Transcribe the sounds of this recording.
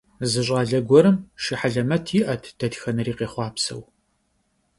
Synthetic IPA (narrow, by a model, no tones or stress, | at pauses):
zɨɕʼaːɮɐɡʷɔɾɨmʃiħaɮɐmɐtʰɪʔɐtʰd̥ɐtxɐnɨriːqeːχʷɑːpsɐ̰w